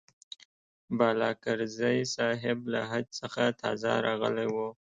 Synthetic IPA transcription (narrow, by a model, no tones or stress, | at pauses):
bɑlɑkaɾzajsɑɦɪbla̰ɦad̪səxat̪ʰɑ̰za̰ɾɑɣə̰lewo